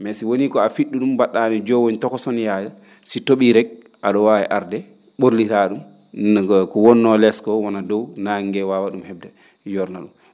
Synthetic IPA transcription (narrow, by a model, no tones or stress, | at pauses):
mɛsiwonikɔafiɗːuɗumbaɗːanɛd͡ʒɔwontɔkɔsɔnjaja | sitoɓiɾɛɡ̚ | aɗɔwawɛ̰ʔaɾdɛ | ɓoɾlitaɗum | kɔwɔnːɔlɛskɔwɔnadɔwnaŋɡɛwawaɗumhɛb̚dɛ | jɔɾnaɗum